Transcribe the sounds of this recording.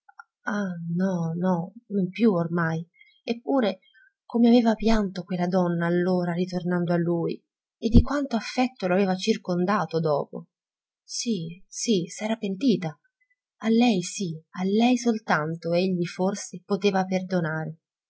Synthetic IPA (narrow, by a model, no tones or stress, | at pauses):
anɔnɔnompjuormaj | epːuːɾe | komeaveːvapjant̪okwelːad̪ɔnːaːlːoːɾarit̪ornand̪oalːuːj | ed̪ːikwant̪oafːɛt̪ːoloaveːvat͡ʃirkond̪aːt̪od̪ɔːpo̰ | sisisɛːɾapent̪iːt̪a | alːɛjsialːɛjsolt̪ant̪oeʎːiforsepot̪eːvaperd̪onaːɾe